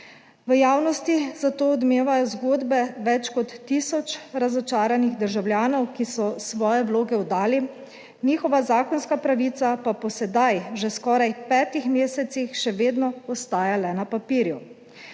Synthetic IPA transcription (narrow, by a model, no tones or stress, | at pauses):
ʋəjaːwnɔst̪izat̪oːd̪meːʋajɔzɡoːd̪bɛʋɛt͡ʃkɔt̪ːisɔt͡ʃɾazɔt͡ʃaːɾaniɣd̪əɾʒawlʲjaːnɔwkisɔsʋɔːjɛʋloːɡɛwd̪aːli | niːxɔʋazaːkɔnskapɾaʋiːt̪sapapɔsɛd̪ajʒeskɔːɾajpɛːt̪ixmeːsɛt̪sixʃɛʋeːd̪nɔɔst̪aːjalɛnapapiːɾju